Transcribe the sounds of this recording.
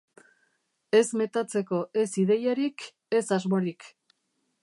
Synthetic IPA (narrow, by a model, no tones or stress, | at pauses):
e̞zme̞t̪at͡se̞ko̞ʔe̞siðe̞jaɾik | e̞sazmo̞ɾik